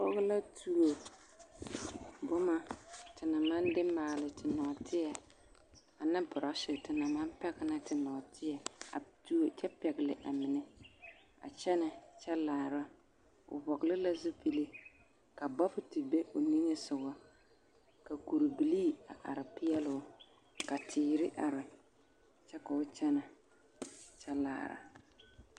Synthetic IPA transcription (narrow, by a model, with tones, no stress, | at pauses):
bɔ˦ɣla˦tu˦o˨ | bʊ˦ma˦tɪ˨na˨ma˦ndɪ˦maː˨lɪ˨tɪ˨nɔ˨tɪ˦jɛ˨ | a˨na˦bʊ˨ɾa˦sɪ˨tɪ˨na˨ma˦mpɛ˦ɡɪ˦na˦tɪ˨nɔ˨tʰɪ˦ɛ˨a̰˨tu˦o˨t͡ʃɛ˦pɛ˨ɡɪ˨lɪ˨ʔa˨mɪ˨nɛ˦ | a̰˨t͡ʃɛ˦nɪ˨t͡ʃɛ˦laː˨ɾa˦ | ʊ̰˨bɔ˨ɡlɪ˦la˦zʊ˦pi˦le˦ | ka˨bɔ˦fʊ˨tɪ˨be˦ʔo˨ni˦ŋe˦sʊ˨ɡɔ˦ | ka˨ku˨ɾu˨bi˨liː˦˨a˨ʔa̰˨ɾɪ˨pɪ˦jɛ˦lʊ˦ | ka˨tʰiː˨ɾɪ˦ʔa˨ɾɪ˨ | t͡ʃɛ˦ka˨ʊ˦t͡ʃɛ˦na˨ | t͡ʃɛ˦la̰ː˨ɾa̰˦